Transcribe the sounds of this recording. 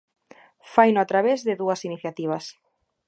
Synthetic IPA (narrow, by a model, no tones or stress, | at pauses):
fajnʊat̪ɾaβezðeðuɐsiniθjat̪iβ̞ɐs